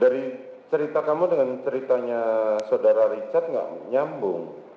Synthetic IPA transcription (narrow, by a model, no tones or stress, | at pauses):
daɾi | t͡ʃəɾit̪akamudəŋant͡ʃəɾit̪aɲasaodaɾaɾit͡ʃat̪̚ŋɡa̰ʔɲambʊŋ